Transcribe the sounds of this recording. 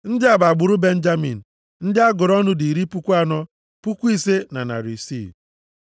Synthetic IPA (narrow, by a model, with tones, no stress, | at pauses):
n̩˦dɪ˦a˨ba˨ɡ͡bʊ˨ɾʊ˦be˦n̩˦d͡ʒa˦mḭ˨n̩˨ | n̩˦dɪ˦a˦ɡʊ˨ɾɔ˦nʊ˦di˨ɾi˦pu˦kʷu˦a˦nɔ˦ | pu˦kʷi˦˨se˦na˨na̰˨ɾi˨sḭ˦˨